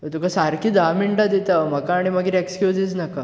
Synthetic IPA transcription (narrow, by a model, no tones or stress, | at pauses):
ət̪ukʰasaɾkʰiːd̪amiɳʈad̪it̪am̤əkaːɽ̃iməɡiːɾekskjud͡zid͡znaka